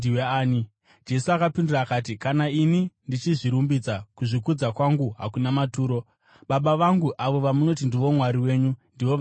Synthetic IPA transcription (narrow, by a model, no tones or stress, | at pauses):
iweːi | d͡ʒe̞suakapinduraːkaːt̬ikanainindit͡ʃiʐiɾumbid͡zakuʐikud͡zakwaŋɡuɦa̰kunamatuːɾo̞ | ɓaɓaʋaŋɡuʔaʋo̞ʋamuno̞t̬indiʋo̞mwaɾiwe̞ːɲundiʋoʋ